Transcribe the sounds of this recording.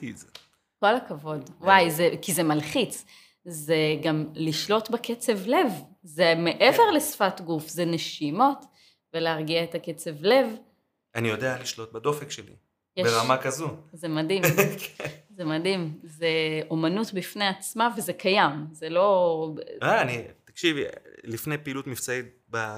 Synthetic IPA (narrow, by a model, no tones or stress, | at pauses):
ize | ko̞lakavo̞dwajzekizemalχit͡s | zeɡamliʃlo̞tbeket͡se̞vle̞v | zeme̞ʔeve̞ʁlesfatɡufzeneʃimo̞t | veleaʁɡiaetaket͡sevle̞v | anijod̪ealiʃlo̞t̪̚bad̪ofekʃelḭ | jebeʁamakazuzemadimkʰezemadimzeo̞manutbifneat͡smavezekʰajamzelo̞ | aːnit̪akʃivilifnejpiːlutmift͡sait̪̚ | ba